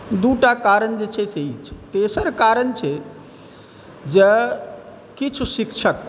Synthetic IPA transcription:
d̪uːʈakaːɾəɳd͡ʒət͡ʃʰesʰeit͡ʃʰe̥t̪eːsəɾkaːɾəɳt͡ʃʰe | d͡ʒə | kit͡ʃʰuʃikʃʰək̚

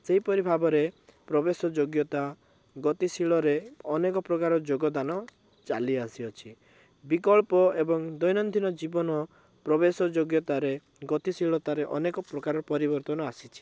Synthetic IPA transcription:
seɦipɔɾibʱabɔɾepɾɔbesɔd͡ʒoɡjɔt̪a | ɡɔt̪isiɭɔɾeɔnekɔpɾɔkaɾɔd͡ʒoɡɔd̪anɔ | t͡ʃa̰liasiɔt͡ʃʰi | bikɔɭpɔebɔŋd̪ɔjnɔnd̪ʱinɔd͡ʒibɔnɔ | pɾɔbesɔd͡ʒoɡjɔt̪aɾe | ɡɔt̪isiɭɔt̪aɾeʔɔ̰nekɔpɾɔkaɾɔɾɔpɔɾibɔɾt̪ɔnɔasit͡ʃʰi̥

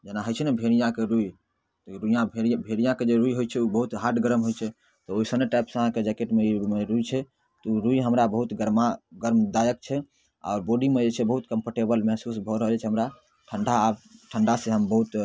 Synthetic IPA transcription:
d͡ʒenaɦəjt͡ʃʰɛnɛbʱeɽijãkeɾui | t̪ɔɾuijãebʱeɽijãked͡ʒeɾujɦojt͡ʃʰɛubəɦut̪ɦaʈɡəɾəmɦojt͡ʃʰɛ | t̪ɔoisəneʈajpsə̃əɦãked͡ʒɛkeʈmeimeɾuit͡ʃʰɛ | t̪ɔuɾuiɦəmɾabəɦut̪ɡəɾmaɡəɾmd̪ajək̚t͡ʃʰɛ | a̰oɾboɖimed͡ʒet͡ʃʰɛbəɦut̪kəmpʰəɾʈebəlmɛɦsusbʱɔɾəɦəlɛt͡ʃʰɛɦəmɾa | ʈʰəɳɖʱabʈʰəɳɖaseɦəmbəɦut̪

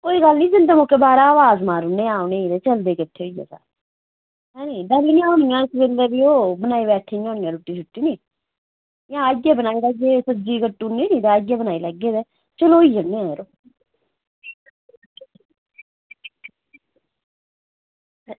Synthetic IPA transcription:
koːiːɡəlnĩːd͡ʒənd̪əmoːkeːbaːɾaːʋaːzmaːɾʊneːaːoneːid̪eːt͡ʃəld̪eːkəʈʰːeːoija̰ːsa̰ːɾ | ɦɛːniːɖəɾiːnĩaːʊnijãːɪsʋeːlːeːbiːoːbənaːiːβɛːʈʰiːõːnijãːɾuːʈːiːt͡ʃʰʊʈːiːniː | jãːeːbənaːiːləɡeːsəd͡ʒiːkəʈːuːnːiːniːt̪eaːeːbənaːiləɡːeːd̪eː | t͡ʃəloːiːjənːẽːãːɾoː

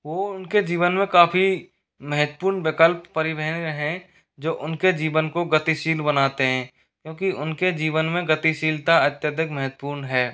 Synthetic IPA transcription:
ʋoːʊnked͡ʒiːʋənmẽkaːpʰi | mɛɦət̪puːɾɳʋɪkəlpːəɾɪbɛɦənəɦɛ̃ | d͡ʒoːʔʊnked͡ʒiːʋənkoɡət̪iʃiːlbənaːt̪eɦɛ̃ː | kjõːkiʊnked͡ʒiːʋənmẽɡət̪iʃiːlt̪aɐt̪jəd̪ʱɪkmɛɦət̪puːɾnɦɛː

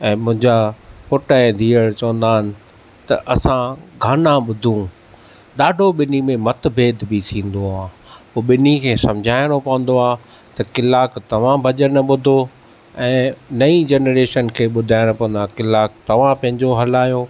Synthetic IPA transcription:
ɛ̃ːmʊ̃ɦɪ̃ɲd͡ʑapʊʈãd̪ʱiːəɽt͡ɕɐʋə̃nd̪aːɦɪnɪ̆ | t̪ɐʔɐsãɡʱaːnãɓʊd̪ʱũ | ɗaːɖʱoɓɪnimẽmɐt̪bʱeːd̪ʱbit̪ʰĩːn̆d̪oaː | poːɓɪnikʰeːsɐ̃md͡ʑʱaːɪɽ̃opɐʋə̃n̆d̪oaː | t̪ɐkɪlaːkt̪ɐʋ̤ãbʱɐʄənɓʊd̪ʱo | ɛ̃ːnɐid͡ʑeːnɾeːʃənkʰeːɓʊd̪ʱaːɪɽ̃opɐ̃ʋə̃nd̪akɪlaːk̚t̪ɐʋ̤ãpɐ̃ɦɪ̃ɲd͡ʑoɦɐlaːjo

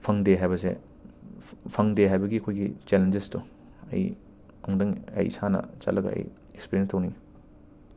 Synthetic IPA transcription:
pʰɐŋdeɦajβɐsḛ | pʰɐŋdeɦajbɐɡiɐkʰojɡit͡ʃelend͡ʒestu | ɐ̰j | ɐŋdɐŋɐ̰jsanɐ̰t͡ʃɐ̰tlʔɐɡɐ̰ɐ̰j | ekspiɾjenstɐwni

